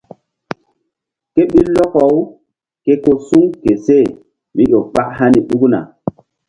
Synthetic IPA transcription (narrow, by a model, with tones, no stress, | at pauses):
ke˦ɓi˦lːɔ˦kɔ˨w | ke˦ko˦su˦ŋke˨se˦˨ | mi˦ʔo˨ɓa˦ʔha˦ni˨ɗu˦kna̰˨